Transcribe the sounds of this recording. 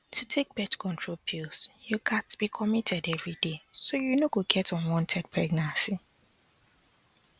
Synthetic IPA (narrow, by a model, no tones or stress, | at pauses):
tʰutʰek̚b̥ɛtkʰɔ̃ntʰɹopʰilsjukʰatb̥ikʰɔmitʰɛdɛvɹidesojunoɡoɡɛtɔ̃nwɔ̃ntʰɛd̚pʰɹɛɡnãnsi